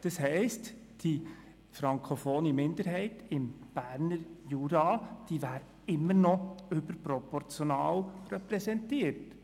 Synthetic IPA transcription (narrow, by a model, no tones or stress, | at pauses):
d̥ɑshɛɪst | d̥i | fɾɑŋkʰofoːnimɪnd̪əɾɦɛɪtɪmb̥æːɾnəɾjuɾɑd̥iːʋæːɾ | ɪmːəɾnɔʏbəɾpɾɔpɔɾt͡sjonɑːwrɛpɾɛsɛntiːəɾt